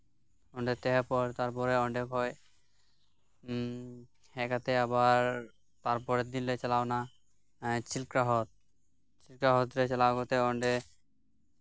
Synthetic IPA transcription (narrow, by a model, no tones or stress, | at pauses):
ɔɳɖet̪ɛɦapɔɾt̪aɾpɔɾeɔɳɖekɦɔj | hɛkat̪eabaɾ | t̪aɾpɔɾed̪inlet͡ɕalaona | t͡ɕʰilkɾaɦɔt̪̚ | t͡ɕilkɾaɦɔt̪ɾet͡ɕalaɡɔt̪eɔɳɖe